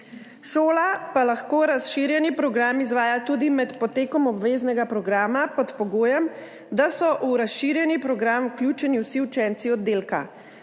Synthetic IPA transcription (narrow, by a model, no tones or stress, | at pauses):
ʃoːlapalaxkoːɾasʃiːɾjɛnipɾɔɡɾaːmizʋaːjat̪uːd̪imɛt̪pɔt̪eːkɔmɔbʋeːznɛɡapɾɔɡɾaːmapɔt̪pɔɡoːjɛm | d̪asɔʔuɾasʃiːɾjɛnipɾɔɡɾamukljuːt͡ʃɛniwsiut͡ʃɛnt̪siɔd̪ːeːlka̰